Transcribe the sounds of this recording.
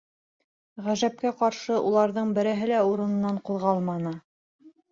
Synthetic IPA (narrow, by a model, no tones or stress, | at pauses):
ʁæʒæp̚kæqɑɾʃɤʔulˠɑɾðɤɴbɘ̆ɾæɦɘlæuɾɤ̆nɤ̆nːɑɴqŭðʁɑlˠmɑnɤ